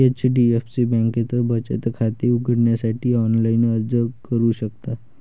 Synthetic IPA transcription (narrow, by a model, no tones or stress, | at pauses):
et͡ɕɖiefsibɛ̃ŋket̪əbət͡ɕḛt̪əkʰat̪iuɡəɽɳjasaʈʰiːɔnlainəɾd͡zəkəɾuːɕəkt̪a